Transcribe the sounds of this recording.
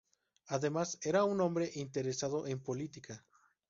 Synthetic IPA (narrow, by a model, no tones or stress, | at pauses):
aðe̞mase̞ɾaunõmbɾe̞ʔint̪e̞ɾesað̞o̞ʔempo̞lit̪ikʰa